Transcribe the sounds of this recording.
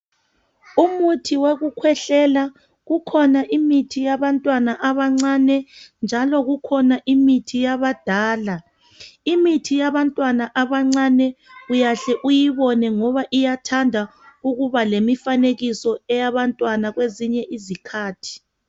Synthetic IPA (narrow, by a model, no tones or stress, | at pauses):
umutʰiweɣukʰwɛɬɛla | ɣukʰɔnaʔimitʰijaβantʼwanaʔaβaŋ͡ǀanɛnd͡ʒʱalɔɣukʰɔnaʔimitʰijaβad̥ʱaːla | imitʰijaβantʼwanaʔaβaŋ͡ǀanɛujaɬɛʔujiβɔnɛŋɔβaʔijatʰandʱa | uɣuβalemifaneɣisɔɛjaβantʼwanaɣweziɲɛʔizikʰaːtʰi̥